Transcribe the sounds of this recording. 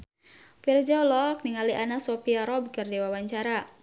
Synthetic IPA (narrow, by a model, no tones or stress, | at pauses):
pird͡ʒaulɔkniŋaliʔanasopiaɾɔbkɨrdewawaɲt͡ʃaɾa